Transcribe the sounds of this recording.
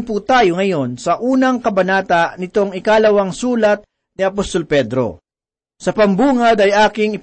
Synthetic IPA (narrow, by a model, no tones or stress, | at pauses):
ŋput̪aːjoŋɐjo̞nsɐʔuːnɐŋkɐbɐnaːt̪ɐʔnɪt̪o̞ŋɪkaːlɐwɐŋsuːlɐt̪̚ | nɪɐpost̪olpɛd̪ɾo̞̰ | sɐpɐmbuːŋɐd̪ɐjʔaːkɪŋɪ